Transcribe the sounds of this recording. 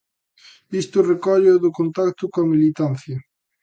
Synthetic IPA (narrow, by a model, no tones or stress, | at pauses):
ist̪ʊrekɔʎʊðʊkont̪akt̪ʊkoɐmilit̪anθjɐ